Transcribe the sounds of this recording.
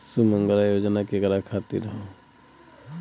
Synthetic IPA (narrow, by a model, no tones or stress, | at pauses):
sumə̃ŋɡəlajoːd͡ʒnakiɡɐɾakʰaːt̪ḭɾɐɦo